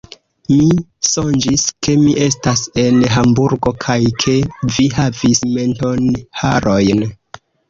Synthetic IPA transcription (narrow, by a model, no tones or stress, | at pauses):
miso̞nd͡ʒiskʰe̞miʔe̞stase̞nɦambuɾɡo̞kʰajkʰe̞viɦavisme̞nto̞nhaɾo̞jn